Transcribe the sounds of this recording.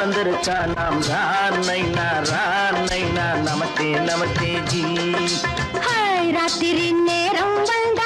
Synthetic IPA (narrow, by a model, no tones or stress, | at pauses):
ɐnd̪ɐɾɨt͡ʃanaːmɾanɐjnaːɾa | nɐjnaːnɐmɐt̪eːnɐmɐt̪ed͡ʒi | hajɾaːt̪iɾinneɾɐmbɐnd̪a